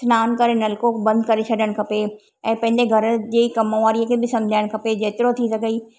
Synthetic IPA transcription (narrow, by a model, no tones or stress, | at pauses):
snaːnkɐɾenɐlkõbɐ̃nd̪ʱkɐɾet͡ɕʰɐɗəɽ̃̆kʰɐpe | ɛ̃ːpɐ̃ɦɪ̃ɲd͡ʑeɡʱɐɾəd͡ʑeːkɐmoʋaːɾijekʰebɪsɐ̃md͡ʑʱaːɪɽ̃kʰɐped͡ʑeːt̪ɪɾot̪ʰisɐɡʱəiː